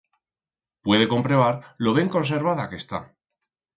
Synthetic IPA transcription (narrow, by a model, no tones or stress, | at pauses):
pwe̞ðe̞ko̞mpɾeβaɾloβe̞ŋko̞ns̬e̞ɾβaðake̞st̪a̰